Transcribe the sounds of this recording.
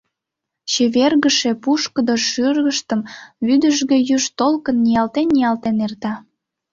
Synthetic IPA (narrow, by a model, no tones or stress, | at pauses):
t͡ɕeβerɣəʃepuʃkəd̪oʃyrɣəʃt̪əmβyd̪əʒɣejyʃt̪olkənːijɑlt̪enːijɑlt̪enert̪ɑ